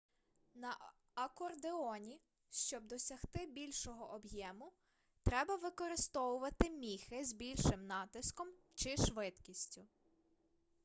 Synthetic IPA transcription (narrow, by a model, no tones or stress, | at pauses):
nɐ | ɐkɔrd̪eɔnʲi | ʃt͡ʃɔb̚d̪ɔsʲɐxt̪ɪbʲilʲʃɔɦɔʔɔbjɛmʊ | t̪ɾɛbɐʋɪkɔɾɪst̪ɔwʊʋɐt̪ɪmʲixɪzbʲilʲʃɪmnɑt̪ɪskɔm | t͡ʃɪʃʋɪt̪kʲisʲtʲʊ